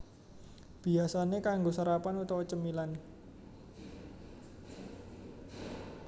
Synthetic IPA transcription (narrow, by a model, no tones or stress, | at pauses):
b̥i̤asanekaŋɡosaɾapanut̪awɔt͡ʃəmilan